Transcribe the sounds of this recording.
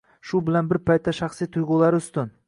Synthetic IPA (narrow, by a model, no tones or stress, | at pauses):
ʃʊbɪlanbɪɾpʰajt̪ːaʃɑχsijt̪ʰʊjʁʊlˠaɾɪʊst̪ɪn